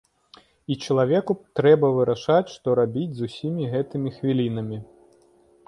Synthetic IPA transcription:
it͡ʂɐlˠavʲɛkut̪ɾɛbɐvɨɾaʂat͡sʲʂt̪ɔɾabʲid͡zʲzusʲimʲiɣɛt̪ɨmʲixvʲilʲinɐmʲi

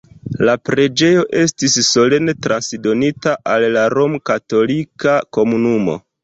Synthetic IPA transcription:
lapɾe̞d͡ʒe̞jo̞ʔe̞stisːo̞le̞netɾansdo̞nitaʔalːaɾo̞mkato̞likako̞munumo̞̰

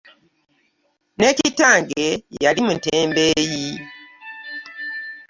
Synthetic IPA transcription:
ne̞citaːŋɡejalimunteːmbeːji

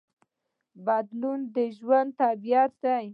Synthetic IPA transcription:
bad̪lund̪əʒwand̪̚t̪abijat̪d̪aj

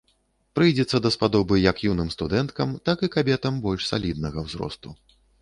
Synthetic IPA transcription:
pɾɨjd͡zʲɛt̪sːɐd̪ɐspad̪ɔbɨjɐkjunɨmst̪ud̪ɛnt̪kɐmt̪akɨkabʲɛt̪ɐmbɔlʲʂsa̰lʲid̪̚nɐɣɐwzɾɔ̰st̪u

